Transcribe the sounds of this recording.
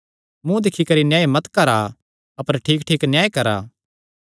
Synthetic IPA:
mũd̪ɪkʰːikɐɾinjaːemɐt̪kɐɾa | ɐpəɾʈʰiːkʈʰiːknjaːekɐɾa̰ː

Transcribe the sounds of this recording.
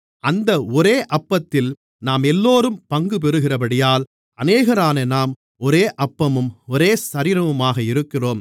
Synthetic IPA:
ɐnd̪ɐɔɾeːʔɐpːɐt̪ːɪl | naːmɛlːoːɾɯmpɐŋɡɯp̬ɛɾɯɣɪrɐpɐɽɪjaːl | ɐneːɣɐɾaːnɐnaːm | ɔɾeːʔɐpːɐmɯmɔɾeːsɐɾɪɾɐʋɯmaːɣɐɪɾɯkːɪroːm

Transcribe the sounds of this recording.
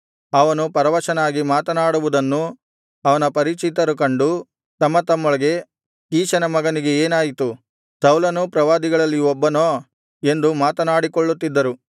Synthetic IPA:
ɐʋɐnupɐɾɐʋɐʃɐnaːɡimaːt̪ɐnaːɽuʋud̪ɐnːu | ɐʋɐnɐpɐɾiːt͡ʃit̪ɐɾuk̬ɐɳɖu | t̪ɐmːɐt̪ɐmːoɭɐɡe̞ | kiːʃɐnɐmɐɡɐniɡe̞eːnaːjit̪u | sɐwlɐnupɾɐʋaːd̪iɡɐɭɐlːiɔbːɐnoː | e̞nd̪umaːt̪ɐnaːɽikɔɭːut̪ːid̪ːɐɾu

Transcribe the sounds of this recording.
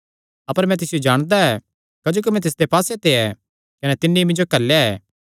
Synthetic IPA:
ɐpəɾmɛ̃t̪̬ɪsɪjod͡ʒaːɽ̃d̪aɛː | kɐd͡ʒoːk̬imɛ̃t̪̬ɪs̬d̪epaːset̪eɛ | kɐnɛt̪ɪnːiimɪ̃nd͡ʒokɐlːeɛː

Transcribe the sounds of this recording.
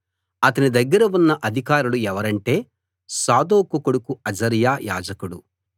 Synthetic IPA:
ɐt̪ɐnid̪ɐɡːɐɾɐunːɐʔɐd̪ʱikaːɾuluɛʋɐɾɐɳʈe̞ː | saːd̪oːkukuɽukuɐd͡ʒɐɾjaːjaːd͡ʒɐkuɽu

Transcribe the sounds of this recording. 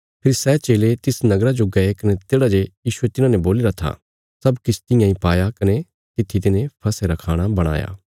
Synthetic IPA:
pʰɪɾsɛːt͡ʃeːlet̪ɪsnɐɡɾad͡ʒoɡɐekɐnet̪eːɽad͡ʒejiːʃuet̪ɪnãːneboːliɾat̪ʰa̰ | sɐbkɪt͡ʃʰt̪ɪ̃jãːĩpaːjakɐne | t̪ɪt̪ʰːit̪̬ɪnẽpʰɐseɾakʰaːɽ̃abɐɽ̃a̰ːja̰ː

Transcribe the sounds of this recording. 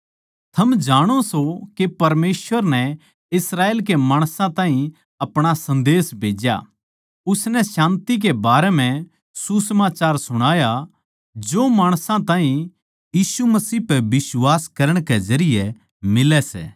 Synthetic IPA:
t̪ʰɐmd͡ʒaːɽ̃osokepɐɾmeːsʋəɾnɛ | ɪsɾaːeːlk̬emaːɽ̃sãt̪ãːɦĩ | ɐpɽ̃asɐ̃nd̪eːsbʱeːd͡ʒja̰ | ʊsnɛsãːnt̪ik̬ebaːɾɛm̤ɛ̃ | susəmaːt͡ʃaːɾsʊɽ̃aːja | d͡ʒoːmaːɽ̃sãt̪aːɦĩ | jiːsumɐsiːpɛbɪswaːskɐɾəɽ̃kɛzɐɾɪjɛ | mɪlɛsɛ̰ː

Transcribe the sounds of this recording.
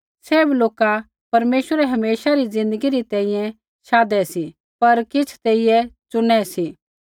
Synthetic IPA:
seːbloːka | pɐɾmeːʃwəɾɛɦɐmeːsaɾizɪ̃nd̪əɡiɾit̪ɛ̃ːĩjɛ̃ | ʃaːd̪ɛsi | pɐɾkɪt͡sʰt̪eːijɛt͡sʊñɛsi

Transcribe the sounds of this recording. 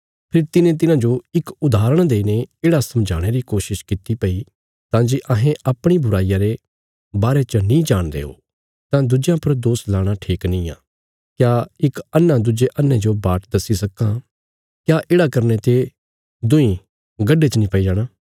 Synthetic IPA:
pʰɪɾt̪ɪnẽt̪̬ɪnãd͡ʒoɪkʊd̪aːɾəɽ̃d̪eːineeːɽasɐmd͡ʒʱaːɽ̃eɾikoːʃɪʃkɪt̪ːipɐi | t̪ãːd͡ʒiʔɐɦẽʔɐpɽ̃ibʱʊɾaːijaɾe | baːɾet͡ʃənĩd͡ʒaːɽ̃d̪ḛːo̰ | t̪ãd̪ʊd͡ʒjãpɐɾd̪oːslaːɽ̃aʈʰiːknĩːã̰ː | kjaːɪkɐnːãd̪ʊd͡ʒeʔɐnːẽd͡ʒobaːʈd̪ɐsːisɐkã | kjaːʔeːɽakɐɾnet̪e | d̪ʊ̃ĩ | ɡɐɖːet͡ʃənĩpɐid͡ʒaːɽ̃aː

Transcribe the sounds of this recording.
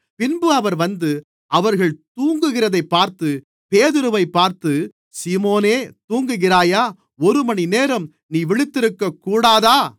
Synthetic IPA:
pɪnbɯɐʋɐɾʋɐnd̪ɯ | ʔɐʋɐɾɣɐɭt̪uːŋɡɯɣɪrɐðɐɪpːaːɾt̪ɯ | peːðɪɾɯʋɐɪpːaːɾt̪ɯ | sɪmoːneːt̪uːŋɡɯɣɪraːjaː | ɔɾɯmɐɳineːɾɐm | niːʋɪɭɪt̪ːɪɾɯkːɐkːuːɽaːðaː

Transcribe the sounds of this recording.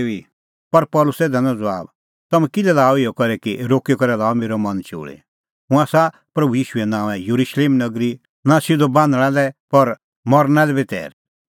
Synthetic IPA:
i | pɐɾpɔlʊsɛːd̪anãd͡zɔa̰ːb | t̪ɐmɛ̃kɪlɛlaːɔɪɔkɐɾɛkiɾoːkikɔɾɛlaːɔmeːɾɔmɐnt͡ʃo̰ːɭḛ | ɦʊ̃aːsa | pɾɐbujiːʃuɛnãːʋɛ̃juɾuʃleːmnɐɡɾi | nasɪd̪obãːnd̪ɽ̃alɛpɐɾ | mɔɾnãlɛbet̪ɛ̰ːɾ

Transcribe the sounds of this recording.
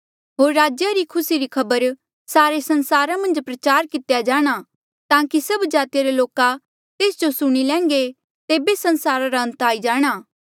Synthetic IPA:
ɦoːɾːaːd͡ʒjaɾikʰʊsiɾikʰɐbəɾ | saːɾesɐ̃nsaːɾamɐ̃nd͡ʒpɾɐt͡ʃaːɾkɪt̪jad͡ʒaːɽ̃a | t̪ãːkisɐbd͡ʒaːt̪ijaɾeloːka | t̪eːsd͡ʒosʊɽ̃ilɛ̃ːŋɡe | t̪eːbesɐ̃nsaːɾaɾaɐ̃nt̪aːid͡ʒaːɽ̃aː

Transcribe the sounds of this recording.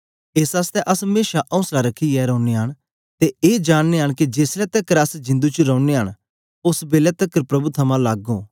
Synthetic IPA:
eːsaːst̪ɛʔɐsmeːʃaʔɔ̃ʊ̃nslaɾɐkʰiɛɾɔ̃ːʊneɦəɽ̃ | t̪eeːd͡ʒaːɽ̃neɦəɽ̃kid͡ʒeːslɛt̪ɐkːəɾɐsd͡ʒɪ̃nd̪ut͡ʃəɾɔːʊneɦəɽ | ʊsbeːlɛt̪ɐkːəɾpɾɐbut̪ʰɐmãlaːɡoː

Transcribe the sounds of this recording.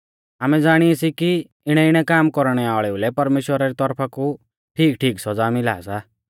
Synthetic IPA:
aːmɛd͡zaːɽ̃iasiki | ɪɽ̃ɛɪɽ̃ɛkaːmkɔɾɽ̃ɛaːɭɛulɛpɐɾmeːʃwəɾaɾit̪ɔɾpʰaku | ʈʰiːkʈʰiːksɔd͡zaːmɪla̰ːsa

